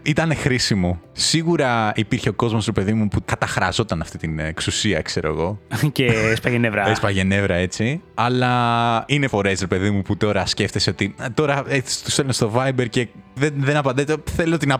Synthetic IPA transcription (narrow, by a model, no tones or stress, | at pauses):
it̪ɐne̞xɾisimosiɣuɾɐipiɾçe̞o̞ko̞zmo̞sɾe̞pe̞ðimupukɐt̪ɐxɾɐzo̞t̪ɐnɐft̪it̪ineksusiɐ̰kse̞ɾo̞ḛɣo̞ceespɐʝenevɾɐespɐʝene̞vɾɐe̞t͡siɐlɐine̞fo̞ɾeːsɾepe̞ðimuput̪o̞ɾɐsce̞ft̪e̞seo̞t̪it̪o̞ɾɐei̥st̪uselnest̪o̞vɐjbe̞ɾce̞ðenðenɐpɐnd̪et̪eθelot̪inɐ